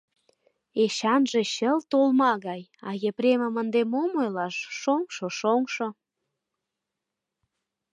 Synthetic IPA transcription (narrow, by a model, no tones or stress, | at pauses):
eɕɑnʒeɕəlt̪olmɑɣɑjɑ̰jepɾemə̆mənd̪emomojlɑʃʃoŋʃoʃoŋʃo